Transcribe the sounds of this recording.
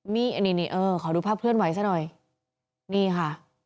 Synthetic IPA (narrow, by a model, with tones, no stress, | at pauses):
miː˥˩ʔa˧˩niː˧˩niː˧˩ʔɤː˧kʰɔ˨˩˦duː˧pʰaː˥˩p̚ʰɯ˥˩ənwa˨˩˦js̬aː˧˥˩nɔ˨˩j | niː˥˩kʰa˥˩